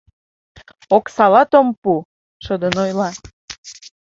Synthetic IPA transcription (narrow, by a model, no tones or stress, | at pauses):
oksɑlɑt̪ompu | ʃəd̪ənojlɑ